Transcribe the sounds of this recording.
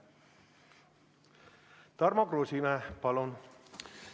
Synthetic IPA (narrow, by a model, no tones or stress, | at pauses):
t̪ɑrmɑkrosimæpɑlon